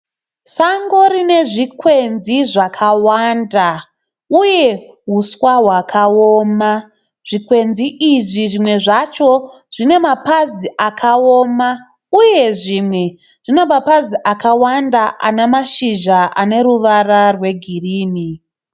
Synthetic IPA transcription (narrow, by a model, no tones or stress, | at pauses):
saŋɡo̞ɾine̞ʐikwe̞nziʐakʰawanda | uje̞ | ɦuswaɦwakʰaoːma | ʐ̥ikwe̞nziʔiʐiʐimwe̞ʐat͡ʃo̞ | ʐ̥ine̞mapaziʔakʰaoma | uje̞ʐimwe̞ | ʐ̥ine̞mapaziʔakawandaʔanemaʃiʒaʔane̞ɾuʋararwe̞ɡʱiriːni